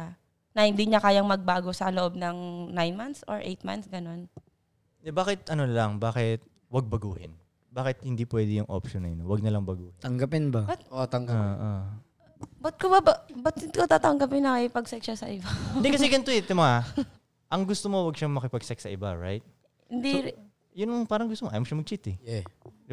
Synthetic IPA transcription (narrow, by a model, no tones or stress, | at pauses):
a | nɐhɪnd̪iɲɐkaːjaŋmɐɡ̚baːɡosɐloʔob̚nɐŋnajnmant̪so̰ɹʔḛjt̪̚ma̰nsɡɐno̞n | d̪ɛbaːkɪt̪̚ʔɐnonɐlɐŋbaːkɪt̪̚ | wɐɡ̚bɐɡuːhɪ̰n | baːkɪt̪̚hɪnd̪ipwɛd̪ɛjʊŋʔo̰pʃonɐ̰jnowɐɡ̚nɐlɐŋbɐɡuːhɪt̪ɐŋɡɐpɪnbɐbɐt̪̚ot̪ɐŋɡʔo | bɐt̪̚kobɐbɐbɐt̪̚kot̪at̪ɐŋɡɐpɪnːɐkɪpɐɡsɛk̚ʃasɐʔɪbad̪ikɐsɛɡɐnt̪ʊhɛt̪ːɪmɐŋa | ʔɐŋɡʊst̪omo̞wɐɡ̚ʃamɐkɪpɐɡ̚sɛk̚sɐʔɪbaɹa̰jt̪̚ | hɪnd̪i | jʊnɐŋpaːɾɐŋɡʊst̪omoʔa̰jmoʃɐmɐɡ̚t͡ʃit̪ɛɛ